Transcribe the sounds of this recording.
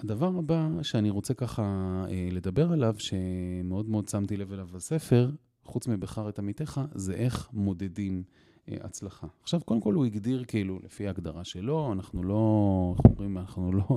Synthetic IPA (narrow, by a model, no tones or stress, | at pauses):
ad̪avaʁabaʃeaniʁo̞t͡se̞kaχaele̞d̪abe̞ʁelavʃe̞meo̞d̪meo̞d̪̚t͡samt̪ile̞velavase̞fe̞ʁ | χut͡smibeχaʁet̪amit̪e̞χazeʔe̞χmo̞d̪e̞dim̰ | a̰t͡slaχaːχʃavkod̪emkoluiɡd̪iʁkiilulḛfiaːɡd̪a̰ʁaʃelo̞anaχnulo̞o̰mʁimanaχnulo